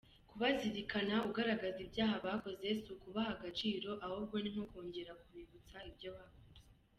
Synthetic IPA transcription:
kuβaziɾikʰanauɡaɾaɡazibɟaːɦaβako̞ze̞sukuβahaɡat͡ʃiːɾo̞ʔahobɡwo̞nimhokoːɲɟe̞ɾakuβiβut͡saibjo̞βaːkoze̥

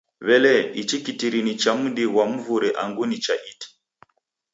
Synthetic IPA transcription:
βɛlɛit͡ʃikitiɾinit͡ʃam̩ɗiɣwam̩vuɾɛʔaŋɡunit͡ʃaʔiti̥

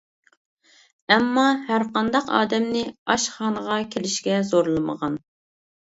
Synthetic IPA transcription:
ɛmːɑhæɾqɑnd̪ɑqɑ̰ːd̪ɛmnɪɑʃχɑːnəʁɑkʲʰelɪʃkʲɛzoɾlˠɨmə̰ʁɑn

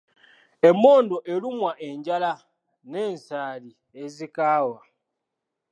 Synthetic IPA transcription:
e̞mːo̞ːndoʔelimwaʔe̞ɲɟala | ne̞ːnsaːli | ezikaːwa

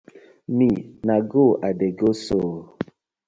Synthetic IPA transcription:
minaɡoʔadeɡosoː

